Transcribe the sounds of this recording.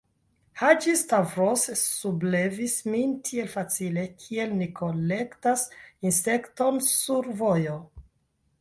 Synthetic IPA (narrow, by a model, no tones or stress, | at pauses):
had͡ʒistavɾossuble̞vismintʰie̞lfat͡sile̞kʰie̞lnikʰo̞le̞ktasinse̞kto̞nsuɾvojo